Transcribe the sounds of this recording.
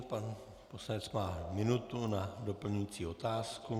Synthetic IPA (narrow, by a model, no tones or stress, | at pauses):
pan | po̞slanɛt͡smaːmɪnut̪unado̞pl̩ɲujiːt͡siːo̞t̪aːsku